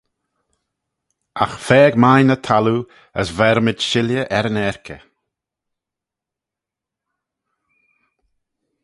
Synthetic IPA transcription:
a̰xfɛːɡmajnət̪ʰalu | əsvɛɾmɪdʃɪljəʔɛɾənɛɹkʰə̰

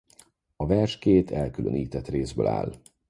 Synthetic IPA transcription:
ɒvɛrʃkeːt̪ʰɛlkylø̰niːt̪ɛt̪reːzbø̰ːla̰ːl

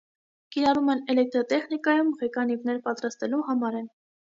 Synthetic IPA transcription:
kiɾɑrumɛnɛlɛk̚t̪ɾɔt̪ɛχnikɑjumʁɛkɑnivnɛɾpɑt̪ɾɑst̪ɛluɦɑmɑɾɛn

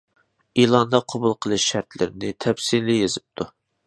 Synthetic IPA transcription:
ilˠɑnd̪ɑqʰobulˠqʰəlˠɨʃːæɾt̪lɪ̰ɾɪnɪt̪ʰɛpsilijezɪp̚t̪ʰu

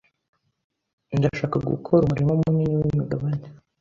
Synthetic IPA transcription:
ndaʃaːkaɡṵkʰoɾumuɾimomuɲiɲiwimuɡaβane

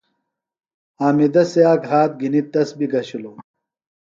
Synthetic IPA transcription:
aːmid̪ɐseaːkɦaːt̪̚ɡinit̪ːɐsbiɡɐɕilo

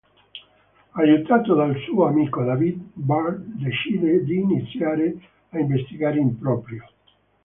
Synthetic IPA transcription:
ajut̪aːt̪od̪alsuːoamikod̪avid̪bard̪d̪et͡ʃiːd̪ed̪iːnit̪sːjaːɾe | aiɱvest̪iɡaːɾeimpɾɔːpɾjo

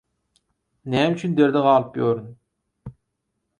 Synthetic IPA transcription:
nɛːmyt͡ʃʰynd̪eɾd̪eʁɑːlˠɨpjøːɾɨn

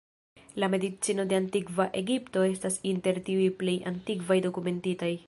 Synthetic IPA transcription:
lame̞dit͡sino̞de̞antikvaʔe̞ɡipto̞e̞stasinte̞ɾtiujple̞ja̰ntikvajdo̞kume̞ntitaj

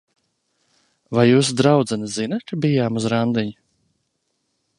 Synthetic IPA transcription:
vajːuːsd̪ɾawd̪zɛnazinat̪kabijaːmuzɾand̪iɲu

